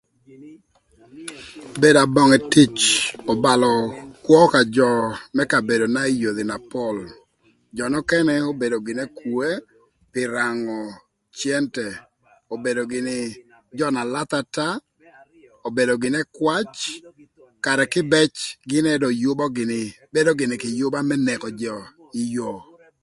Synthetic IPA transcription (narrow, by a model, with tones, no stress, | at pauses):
be˦da˨bɔ˨ŋɛ˨tɪ˦t͡ʃɔ˨ba˨lɔ˨kwɔ˦ka˨d͡ʒɔ˨mɛ˦ka˨be˨do˨na˦i˦jo˨d̪ɪ˨na˨pɔ˦˨l | d͡ʒɔ˨nɔ˦kɛ˦nɛ˦o˦be˨do˨ɡɪ˨nɛ˦ku˨e˦ | pɪ˨ɾa˨ŋɔ˨ | t͡ʃjɛ˦ntɛ˨ | o˨be˨do˨ɡɪ˨nɪ˨ | d͡ʒɔ˦na˨la˦t̪a˦ta˦ | o˨be˨dɔ˨ɡɪ˨nɛ˦kwa˦t͡ʃ | ka˨ɾɛ˨kɪ˦bɛ˦t͡ʃɡɪ˦nɛdɔ˨jʊ˦bɔ˦ɡɪ˨nɪ | be˦do˦ɡɪ˨nɪ˨kɪ˨jʊ˦ba˦mɛ˦nɛ˨kɔ˨d͡ʒɔ˨ | ɪ˨jo˨